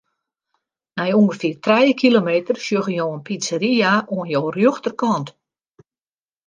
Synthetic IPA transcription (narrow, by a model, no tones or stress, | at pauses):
nɛjuŋɡəfɪːrtrɛjəkʰilomeːtərsjøɣəjoːənpit͡səɾiaʔuənjoːrjøxtərkɔnt